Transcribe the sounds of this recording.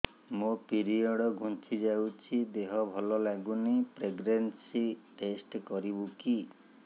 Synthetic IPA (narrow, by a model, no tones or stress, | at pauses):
mopiɾiɔɽɔɡʱunt͡ʃʰid͡ʒawt͡ʃʰid̪eɦɔbʱɔlɔlaɡunipɾeɡɾensiʈesʈkɔɾibuki